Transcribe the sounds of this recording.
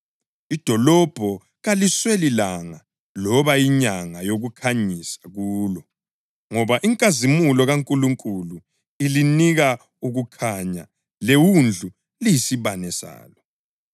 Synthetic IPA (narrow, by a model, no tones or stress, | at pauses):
id̥ʱɔlɔb̥ʱɔ | ɣaliswelilaŋa | lɔβajiɲaŋajoɣukʰaɲisḁɣuːlɔ | ŋɔβaʔiŋkʼazimulɔɣaŋkʼuluŋkʼulu | iliniɣa | uɣukʰaɲa̰ | lewund͡ɮʱu | lijisiβanɛsa̰ːlɔ